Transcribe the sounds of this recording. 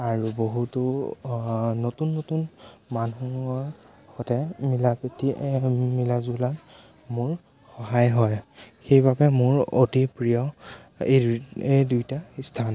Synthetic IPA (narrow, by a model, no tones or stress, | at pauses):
aɹuboɦutʊ | notunːotunmanuɔɹ | xɔtɛmilapetimilazulan | mʊɹ | xɔɦajɦɔjxejbabɛmʊɹotipɹijɔeedujtaistʰan